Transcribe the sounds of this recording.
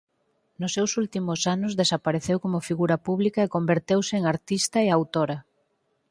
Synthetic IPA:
nʊsːewsult̪imʊsanʊzðesapaɾeθewkomʊfiɣuɾɐpuβlikɐekombeɾt̪ewsɪeŋaɾt̪ist̪ɐeawt̪oɾɐ

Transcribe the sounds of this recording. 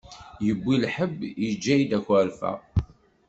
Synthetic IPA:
jəbʷːilħəbːjəd͡ʒːæjd̪ækæɾfæ̰

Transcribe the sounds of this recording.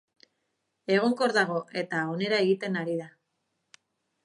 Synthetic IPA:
e̞ɣ̞oŋko̞ɾðaɣ̞o̞ʔe̞t̪ao̞ne̞ɾae̞ɣit̪e̞naɾiða

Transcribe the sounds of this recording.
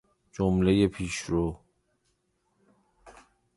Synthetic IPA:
d͡ʒomlejepʰiːʃɾo

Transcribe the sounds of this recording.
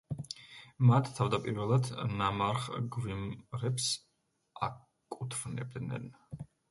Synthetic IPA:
mat̪ʰt̪ʰːavd̪apʼiɾvɛlˠad̪namaɾχɡvimɾɛps | a | kʼut̪ʰvnɛ̰b̚d̪nɛ̰n

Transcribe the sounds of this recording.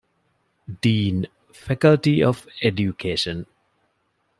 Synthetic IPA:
ɖĩːn | fækəlʈiɔʋeɖjukʰeːʃə̃n

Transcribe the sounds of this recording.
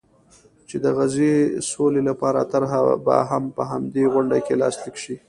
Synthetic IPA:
t͡ʃed̪əɣazesolelapɑɾa̰t̪aɾɦaba̰ɦampəɦamd̪eɣʊɳɖakelɑ̰slikʃi

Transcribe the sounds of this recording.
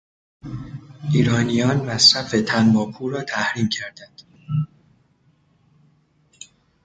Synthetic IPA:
ʔiːɾɒːnijɒːnmæsɾæfet̪ʰænbɒːpʰuːɾɒːt̪ʰæhɾiːmcʰæɾd̪̥ænd̪̥

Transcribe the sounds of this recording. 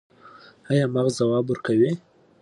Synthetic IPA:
hajɑmaɣzawɑbuɾkawi

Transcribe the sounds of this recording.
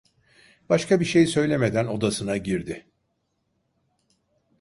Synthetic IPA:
b̥aʃkʰabiʃe̞jsø̞jlʲe̞me̞d̪æno̞d̪asɯnaɟiɾd̪ɪ

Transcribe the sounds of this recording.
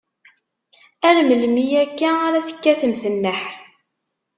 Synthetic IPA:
ælməlmijækːæaɾæθə̥kːæθəmθənːəħ

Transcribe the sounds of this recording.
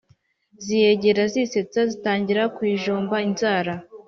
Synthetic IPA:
zije̞ɟe̞ɾazise̞t͡sazitaːɲɟiɾakwiːʒoːmbainzaːɾa

